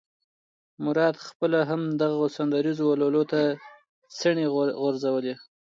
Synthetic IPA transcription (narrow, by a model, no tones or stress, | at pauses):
mʊɾɑd̪xpəlaɦamd̪aɣosand̪aɾizowalolot̪a | səɳeɣʊɾzawəle